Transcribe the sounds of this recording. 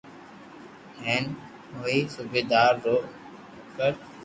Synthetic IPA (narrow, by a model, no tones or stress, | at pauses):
ɦɛːn | ɦoːiːsubeːd̪aːɾːoː | kəɾ